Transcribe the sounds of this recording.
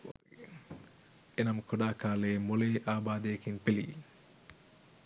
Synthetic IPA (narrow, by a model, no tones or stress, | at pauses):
enɐmkʰoɖaːkaːleːmoleːʔaːbaːd̪ejekinpelḭː